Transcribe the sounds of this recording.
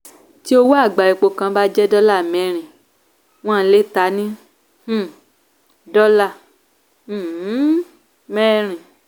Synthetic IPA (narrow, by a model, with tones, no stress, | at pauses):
ti˦o˧wo˦a˦˨ɡ͡ba˨i˨˧k͡po˧kã˧˦ba˦d͡ʒɛ˦dɔ˦la˦˨mɛ̃˨˦ɾ̃ĩ˨ | w̃ɔ̃˦˨n̩˦le˦˨ta˧˦nĩ˦ | h̩˦˨ | dɔ˦la˦˨˦ | mɛ̃˦ɾ̃ĩ˨